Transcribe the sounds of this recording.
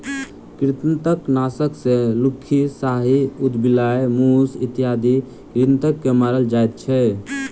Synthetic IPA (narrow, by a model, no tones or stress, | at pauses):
kɾit̪nt̪əknasəksẽlukʰːisaɦiud̪bilajmusit̪jad̪i | ɾint̪əkːemaɾəld͡ʒajt̪̚t͡ʃʰɛ